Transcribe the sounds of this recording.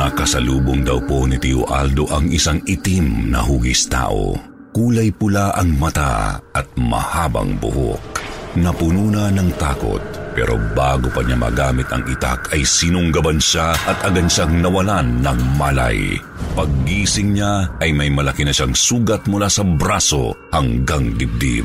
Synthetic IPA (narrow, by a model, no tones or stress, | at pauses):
nɐkɐsɐluːboŋd̪ɐwpo̞nit̪iʔo̰ʔa̰ld̪o̞ʔɐŋɪsaŋɪt̪imnɐ̰ɦuːɡɪst̪a̰ːʔo̰ | kuːlɐjpʊlaʔɐŋmɐt̪a̰ʔɐt̪̚mɐ̰haːbɐ̰ŋbʊ̰ho̰k̚nɐpʊnuːnɐnɐŋt̪aːko̞̰t̪̚ | pɛ̰ɾʔo̰baːɡopɐɲamɐ̰ɡaːmɪt̪ɐ̰ŋḭt̪a̰kʰɐjsinʊŋɡɐbanʃaʔɐt̪ɐɡɐnʃaŋnɐwɐlanːɐŋmala̰j | pɐɡ̚ːiːsɪŋɲaːjmɐjmɐlɐkinɐʃaŋsuːɡɐt̪̚mʊlaːsɐbɾaso̞̰hɐŋɡaŋd̪ɪb̚d̪ḭb